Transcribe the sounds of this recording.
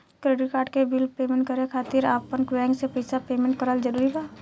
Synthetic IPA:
kɾeːɖɪʈ̚kaːɾɖkebɪlpeːmẽːɳʈ̚kəɾekʰaːt̪ɪɾaːpːənkwɛ̃ːŋsepɐɪsapeːmẽɳʈ̚kəɾəld͡ʒəɾuːɾiba

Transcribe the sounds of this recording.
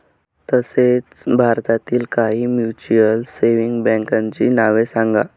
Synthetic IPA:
t̪əset͡sbʱaɾt̪at̪iːlkaɦiːmjut͡ɕiəlseʋiŋɡbɛ̃ŋkãɲt͡ɕḭːnaʋesãŋɡa̰

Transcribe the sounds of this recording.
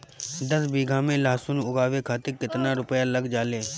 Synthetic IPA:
d̪əsbiːɡʱãmẽlaːsʊnʊɡaːʋekʰaːt̪ɪɾkɪt̪naɾʊpəjaləɡd͡ʒaːleː

